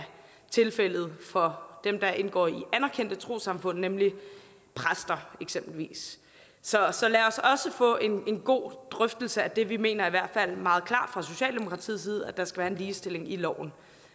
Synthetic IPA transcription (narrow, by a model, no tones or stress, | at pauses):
t͡sʰe̝lfel̰ð̞̩ˠfɒ̽d̥emd̥ɑ̈ʔe̝nɡ̥ɒ̰ːiʔænæɐkʰen̰d̥ət͡sʰʁo̝̰ːsɑ̈mfɔ̽n̰nemli | pʰʁasd̥ɐeɡ̥semb̥l̩ʋḭːs | sɒ̽sɒ̽læɒ̽sɒ̽səfɔ̰̽ːʔe̝ne̝nɡ̥o̝̰ːd̥ʁœfd̥l̩səæd̥e̝ʋime̝̰ːnɐiʋæɐ̰d̥fæl̰mɑ̈ːð̞̩ˠkʰlɑ̰̈ːd̥fʁɑ̈so̝ɕɛ̰ːld̥e̝mo̝kʰʁɑ̈t͡sʰḭːð̩ˠs̬iːð̞̩ˠæd̥ɑ̈sɡ̥æʋæːɐe̝nliːsd̥e̝le̝ŋilɒ̰ʊ̰n̩